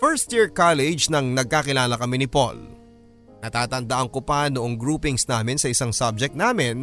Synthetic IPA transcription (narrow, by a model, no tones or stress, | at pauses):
fɛɹst̪̚jiɹkalɪd͡ʒnɐŋnɐɡ̚kaːkɪlaːlɐkɐmɛnɪpo̰l | nɐt̪aːt̪ɐnd̪ɐʔɐŋkopɐnoʔoŋɡɹuːpɪŋsnaːmɪnsɐɪsaŋsab̚d͡ʒɛk̚t̪̚naːmɪn